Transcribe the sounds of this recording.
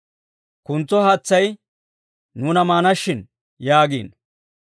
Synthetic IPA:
kʊnt͡sːɔhɐt͡sːɐj | nuːnɐmaːnɐʃːɪn | jaːɡḭːn

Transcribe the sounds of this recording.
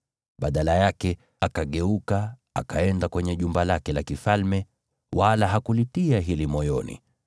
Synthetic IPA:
ɓaɗalajakɛ | akaɠɛukaakaɛndakwɛɲɛʄumbalakɛlakifalmɛ | walaɦakulitiaɦilimɔjɔnḭ

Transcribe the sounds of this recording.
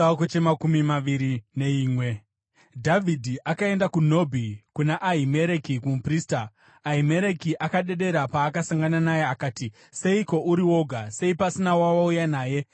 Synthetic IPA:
kot͡ʃemakumimaʋiɾine̞iːmwe̞ | dʱavʱidʱiʔakae̞ndakuno̞bʱikunaʔaɦime̞ɾekikumpriːstaː | ime̞ɾekiʔakaɗe̞ɗe̞ɾapaːkasaŋɡananaje̞akaːti | se̞iko̞ʔuɾiwo̞ɡʱase̞ipasinawawaujanaːje̞

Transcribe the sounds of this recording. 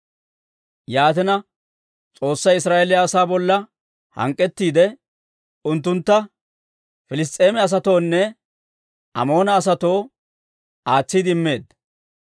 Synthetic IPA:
jaːt̪ɪnɐ | t͡sʼo̞ːsːɐjɪsɾaːʔelɪjɐːsaːbɔlːɐ | hɐ̰ŋkʼːɛt̪ːiːd̪ɛ | ʊnt̪̬ːʊnt̪ːɐ | fɪlɪs̬t̪ʼːe̞ːmɛɐs̬ɐt̪o̞ːnːɛ | ʔɐ̰mo̞ːnɐːs̬ɐt̪o̞ː | aːt͡sːid̪ɪɪmːe̞ːd̪

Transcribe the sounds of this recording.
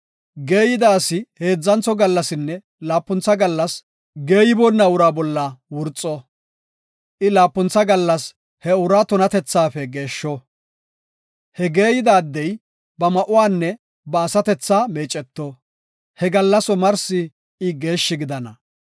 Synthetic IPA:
ɡe̞ːjɪd̪aːsɪhe̞ːd͡zːɐnt͡sːɔɡɐlːɐsɪnːɛ | laːpːʊnt͡sːɐɡɐlːɐs | ɡe̞ːjɪbɔnːɐwʊɾaːbɔlːɐwʊɾt͡sʼːɔ | ʔɪlaːpːʊnt͡sːɐɡɐlːɐs | hɛʊɾaːt̪ʊnɐt̪ɛt͡sːaːfɛɡe̞ːʃːɔ | hɛɡe̞ːjɪd̪aːd̪ːɛj | bɐmɐʔʊwaːnːɛ | bɐːsɐt̪ɛt͡sːaːme̞ːt͡ʃʼːɛt̪ːɔ | hɛɡɐlːɐsɔmɐɾsɪ | ɪɡe̞ːʃːɪɡɪd̪ɐnɐ

